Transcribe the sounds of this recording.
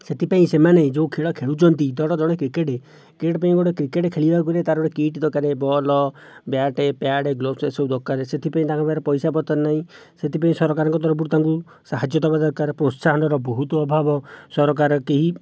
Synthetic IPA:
set̪ʰipaĩsemaned͡ʒewkʰeɭɔkʰeɭut͡ʃʰɔnt̪id̪ɔɽɔd͡ʒɔɽ̃ekɾikeʈe | keʈpaĩɡɔɽekɾikeʈekʰeɭibakulet̪aɾɔɽekiʈd̪ɔkaɾebɔlɔ | bjaʈepjaɽeɡlosesewd̪ɔkːaɾeset̪ʰipaĩt̪akʰɔbaɾɔpɔjsapɔt̪ɔnaɦĩ | set̪ipaĩsɔɾɔkaɾɔŋkɔd̪ɔɾɔp̬uɾt̪aŋku | saɦad͡ʒjɔt̪ɔbad̪ɔkaɾɔpɾotsaɦɔnɔɾɔbɔɦut̪ɔɔbʱabɔsɔɾɔk̬aɾɔkeɦi

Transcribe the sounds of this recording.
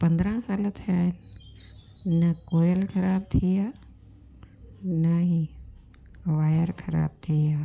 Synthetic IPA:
pɐ̃nd̪ɾə̃saːlət̪ʰijaːɦɪnɪ | nɐkoːjəlkʰɐɾaːb̚t̪ʰiaː | nɐɦi | ʋaːjəɾkʰɐɾa̰ːb̚t̪ʰiaː

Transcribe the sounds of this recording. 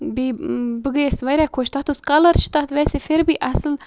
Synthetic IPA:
bibəɡəesʋɐjɾɛkʰoʃt̪at̪uskaləɾʃt̪at̪ʋɛsefeɾbiʔasl

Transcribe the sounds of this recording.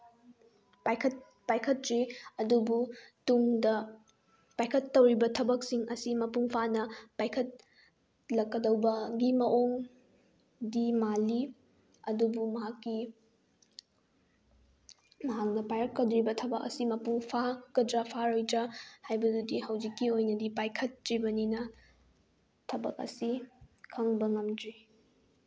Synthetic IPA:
pajkʰɐt̚ | pajkʰɐtɾiɐdubutumdɐ | pajkʰɐtːɐwɾibɐtʰɐbɐksiŋɐsimɐpuŋpʰanɐpajkʰɐt̚ | lɐkːɐdɐwbɐɡimɐʔoŋ | dimali | ɐdubumɐɦakːi | mɐɦak̚nɐpajɐt̚kɐdɾibɐtʰɐbɐk̚ɐ̰simɐpuŋpʰakɐdɾɐpʰaɾojdɾɐhajbɐdudihɐwd͡ʒikːiojnɐdipajkʰɐt̚ːɾibɐninɐ | tʰɐbɐ̰k̚ɐ̰sikʰɐŋbɐŋɐmdɾi

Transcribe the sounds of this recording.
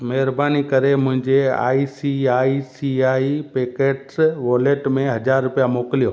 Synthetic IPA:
mɐɦɪɾbaːnikɐɾemʊ̃ɦɪ̃ɲd͡ʑea̰ːisiaːisiaːipeːkeːʈsʋoːleːʈmẽɦɐd͡ʑaːɾːʊpijamoːkɪlijoː

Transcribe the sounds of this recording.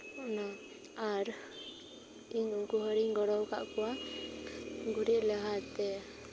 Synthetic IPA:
ɔna | aɾ | iɡuɦɔɾiŋɡɔɽɔwka̰ʔkɔwa | ɡuɾiʔlɛɦat̪ɛ

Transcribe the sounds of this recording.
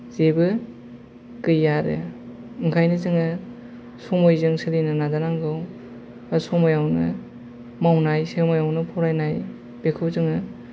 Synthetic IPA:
zebɯ | kɯjːaɾɯ̰ | ɯŋkʰajnɯzɯŋɯ | sɔmojzɯŋsɯɾinɯnazanaŋɡɯw | asɔmojawnɯ̰ | mawnajsemojawnɯpʰɔɾajnaj | b̥ekʰɯwzɯŋɯ

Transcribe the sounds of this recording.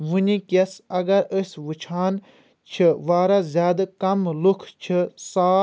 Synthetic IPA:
ʋɨnʲikesɐɡɐɾəsʲʋɨt͡ʃʰaːn | t͡ʃʰɨʋaːɾazʲjaːd̪kɐmlukʰt͡ʃʰɨsaː

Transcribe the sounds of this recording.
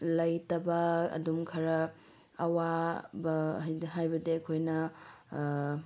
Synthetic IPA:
lɐjtɐbɐɐ̰dumkʰɐɾɐ | ɐwabɐɦajbɐdeɐkʰojnɐ

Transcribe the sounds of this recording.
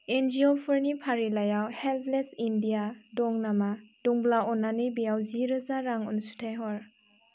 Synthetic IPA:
end͡ʒiopʰɔɾnipʰaɾilajawhelpʰlesindijadɔŋnamadɔŋblaɔnanibijawziɾɯzaɾaŋɔ̰nsu̥tʰajɦɔɾ

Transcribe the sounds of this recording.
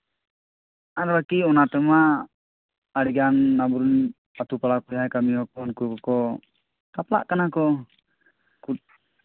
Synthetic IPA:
aɾlakiɔnat̪ɛma | ɾiɡanːabɾun | at̪upalakuɦajkamiɔkɔnkukɔkɔ | t̪apla̰ʔkanakɔ | ku

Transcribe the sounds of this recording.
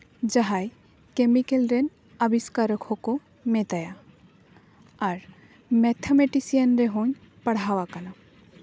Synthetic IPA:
d͡ʒaɦaj | kemikelɾɛn | abiskaɾəkʰhɔko | met̪aja | aɾ | mɛt̪ʰameʈisijənɾɛɦɔɲ | pəɽ̤awakana

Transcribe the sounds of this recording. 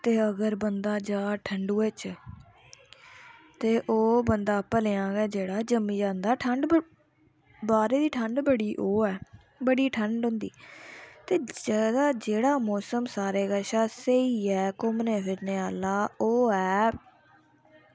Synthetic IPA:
t̪eːəɡəɾbənd̪aːd͡ʒaːʈʰəɳɖuːeːt͡ʃ | t̪eːʔoːbənd̪aːpəleːãːɡɛːd͡ʒeːɽaːd͡ʒəmːĩːd͡ʒãːnd̪aːʈʰəɳɖ | baːɾeːd̪iːʈʰəɳɖbəɽiːʔoːɛː | bəɽiːʈʰəɳɖɦʊ̃nd̪ḭːt̪eːd̪aːd͡ʒeːɽaːmɔːsəmsaːɾeːɡəʃaːseiːɛːkʊmnẽːfɪɾneːaːlaːoːɛː

